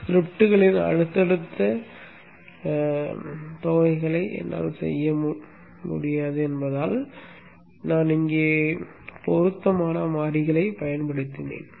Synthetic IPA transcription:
sɾɪp̚ʈːɯɣɐɭɪnɐ̰ɻɯt̪ːɐɽɯt̪ːɐ | t̪oːɐɪɣɐɭɐɪʔɛ̰nːa̰ːlsɛ̰jːɐm | mʊ̰ɽɪjaːðɯɛnbɐðaːl | naːnɪŋɡeː | pɔɾɯt̪ːɐmaːnɐmaːɽɪɣɐɭɐɪpɐjɐnpɐɽɯt̪ːɪnḛːn

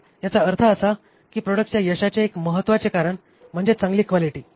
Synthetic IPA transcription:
jat͡saəɾt̪ʰəəsa | kiːpɾɔɽək̚ʈt͡ɕjajəɕat͡ɕjaekməɦət̪ːʋat͡sekaɾəɳ | m̤əɳd͡zet͡sãŋɡliːkʋaliʈiː

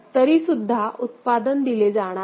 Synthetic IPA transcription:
t̪əɾiːsud̪ʱːaʔut̪pad̪ənd̪iled͡zaɽ̃a

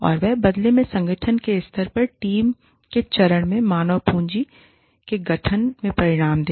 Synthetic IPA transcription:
ɔ̰ːɾʋɛɦbɐd̪lemẽsɐ̃ŋɡəʈʰənkeɪst̪ʰəɾpɐɾʈiːm | ket͡ʃɐɾəɽ̃mẽmaːnəʋpũːɲd͡ʒi | keɡɐʈʰənmẽpɐɾɪɽ̃aːmd̪eː

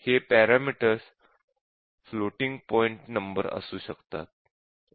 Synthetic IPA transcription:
hepæɾamiʈəɾs | floʈiŋɡ̚pɔiɳʈnəmbəɾə̰suːɕəkt̪a̰t̪̚

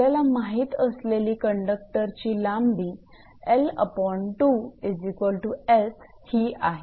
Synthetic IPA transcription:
alamaɦiːt̪əsleliːkəɳɖək̚ʈəɾt͡ɕiːlambiː | elə̰pɔɳʈuezikʋəlʈues | hiaɦe

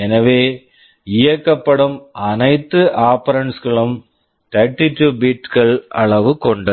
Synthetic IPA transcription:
ɛnɐʋeː | ɪjɐkːɐpːɐɽɯmɐnɐɪt̪ːɯʔaːpɐɾɐɳsɣɐɭɯm | t̪ɐʈːɪʈːubiʈkɐɭɐ̰ɭɐʋɯkɔɳɖɯ

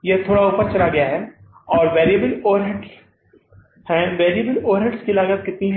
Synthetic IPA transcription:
jeɦt̪ʰoːɽauːpəɾt͡ʃɐlaɡɐjaɦɛː | ɔːɾʋeːɾijəbəloːɾɦɪɖs | hɛ̃ʋeːɾiəbəloːɾɦɪɖskilaːɡəbkɪt̪niɦ

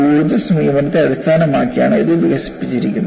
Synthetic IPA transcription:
uːɾunɐsɐmijɐmɐnɐt̪ːeɐðist̪ʰaːnɐmaːkːija̰ːɳɨiðɨʋiɡɐsi̥pːi̥t͡ɕːiɾikʲːunː

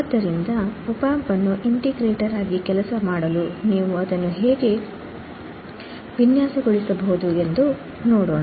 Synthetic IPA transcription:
d̪ːɐɾind̪ɐupaːɐmpɐnːuʔiɳʈiɡɾeːʈɐɾaːɡikɛlɐsɐmaːɽɐluniːʋuɐd̪ɐnːuɦeːɡe | ʋinjaːsɐɡoɭisɐbɐɦud̪ue̞nd̪u | noːɽoːɳa

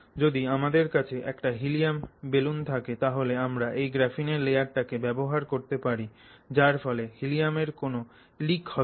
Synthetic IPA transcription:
d͡ʑod̪iamad̪eɾkat͡ɕʰeʔɛ̰kʈaɦilijambelunt̪ʰaket̪aɦoleamɾaʔejɡɾafineɾlejaɾʈakebɛboɦaɾkoɾt̪epaɾi | d͡ʑaɾfɔlehilijameɾkono | likhɔ

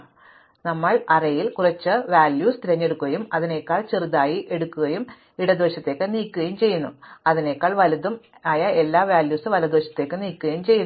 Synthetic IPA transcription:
nɐmːɐɭɐrɐjilkurɐt͡ɕːɨʋaːljuːst̪iɾɐɲːe̞ɽukːuɣɐjumɐðine̞kːaːɭt͡ɕeriðaːjiʔe̞ɽukːuɣɐjum | iɽɐd̪o̞ːɕɐt̪ːe̞ːkːɨniːkʲːuɣɐjumt͡ɕe̞jːunːṵɐðine̞kːaːɭʋɐlɐðum | aːjɐe̞lːaːʋjaːljuːsɨʋɐlɐd̪oːɕjɐ̥t̪ːe̞ːkːɨniːkːuɣɐjumt͡ɕe̞jːunː

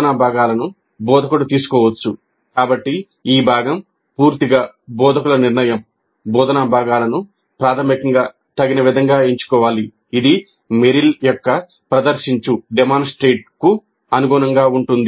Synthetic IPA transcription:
ɐnabʱaːɡaːlɐnu | bɔːd̪ʱɐkulut̪iːsu̥kɔːʋɐt͡ʃːu | kaːbɐʈːi | iːbʱaːɡɐm | puːɾt̪iɡaːbɔːd̪ʱɐkulɐniɾɳɐjɐm | bɔːd̪ɐnaːbʱaːɡaːlɐnu | pɾaːt̪ʰɐmikɐŋɡaː | t̪ɐɡinɐʋid̪ʱɐŋɡaːiɲt͡ʃu̥kɔːʋaːliː | d̪i | meɾiljɔkːɐ | pɾɐd̪ɐɾʃiɲt͡ʃuɖɛmaːnsʈɾeːʈ̚ku | ɐnuɡuːnɐŋɡaːuɳʈund̪i

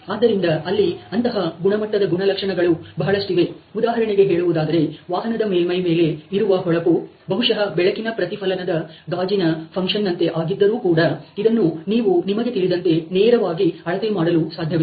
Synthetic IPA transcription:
aːd̪ːɐɾind̪ɐɐlːiɐnt̪ɐɦɐɡuɳɐmɐʈːɐd̪ɐɡuɳɐlɐkʂɐɳɐɡɐɭubɐɦɐɭɐsʈiʋe̞ud̪aːɦɐɾɐɳeɡe̞ɦeːɭuʋud̪aːd̪ɐɾe̞ʋaːɦɐnɐd̪ɐmeːlmɐjme̞ːle̞iɾuʋɐɦɔɭɐpu | bɐɦuʂɐɦɐbɛɭɐkinɐpɾɐt̪ipʰɐlɐnɐd̪ɐɡaːd͡ʒinɐpʰɐŋkʂɐnːɐnt̪e̞ʔaːɡid̪ːɐɾuːkuːɽɐid̪ɐnːuniːʋunimɐɡe̞t̪iɭid̪ɐnt̪e̞neːɾɐʋaːɡiɐɭɐt̪emaːɽɐlusaːd̪ʱjɐʋi

